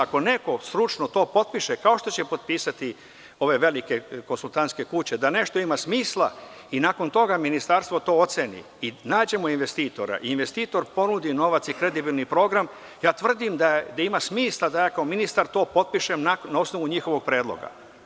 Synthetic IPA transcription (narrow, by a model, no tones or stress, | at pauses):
ako̞ne̞ko̞st̪ɾut͡ʃno̞t̪o̞ːpo̞t̪̚piʃekao̞ʃt̪o̞t͡ɕepo̞t̪̚piːsat̪i | o̞ʋe̞ʋe̞like̞ko̞nsulˠt̪ant̪ske̞kut͡ɕe̞d̪ane̞ʃt̪o̞imasmiːslˠa | inaːko̞nt̪o̞ɡaminist̪aɾst̪ʋot̪o̞ːo̞t̪senḭ | inaːd͡ʑe̞moinʋe̞st̪iːt̪o̞ɾa̰ʔiinʋe̞st̪iːt̪o̞ɾpo̞nud̪ino̞ʋat̪sikɾe̞d̪ibilˠnipɾo̞ɡɾam | jaːt̪ʋr̩d̪imd̪ad̪aimasmiːslˠad̪ajaːkaominist̪aɾt̪o̞ːpo̞t̪̚piʃemnanao̞sno̞ʋuɲixo̞ʋo̞ɡ̚pɾeːd̪lo̰ɡa̰